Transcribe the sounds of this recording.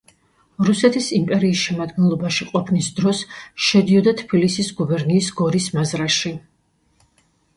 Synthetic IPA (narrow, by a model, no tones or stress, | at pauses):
ɾusɛt̪ʰisimpʼɛɾiːsʃɛmad̪ɡɛnlˠɔbaʃiqʼɔpʰnisd̪ɾɔsʃɛd̪iɔd̪at̪ʰbilisisɡubɛɾniːsɡɔɾismazɾaʃi